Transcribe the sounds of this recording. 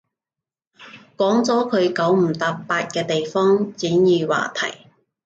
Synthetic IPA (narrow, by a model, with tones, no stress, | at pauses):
kɔː˨˥ŋt͡sɔː˨˥kʰɵ˨˧ɥkɐ˨˥wm̩˨˩t̪a˨˧k̚paː˧t̚kɛː˧t̪e˨jfɔː˥ŋt͡siː˨˥njiː˨˧wa̰ː˨t̪ʰɐ̰˨˩j